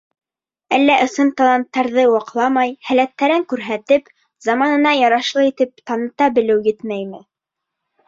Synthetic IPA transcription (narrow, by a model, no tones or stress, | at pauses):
ælːæʔɤ̆sɤnt̪ɑlˠɑnt̪ːɑɾðɤwɑqlˠɑmɑjhælæt̪ːæɾɘŋkʉɾɦæt̪ɘp | zɑmɑnɤ̆nɑjɑɾɑʃlˠɤit̪ɘp̚t̪ɑnɤ̆t̪ɑbɘ̆lɘwjɘt̪mæjmɘ